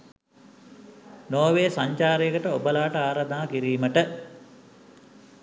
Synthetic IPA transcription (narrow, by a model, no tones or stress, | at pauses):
noːʋeːsaɲt͡ʃaːɾejəkəʈəobəlaːʈəaːɾad̪aːkiɾiːməʈə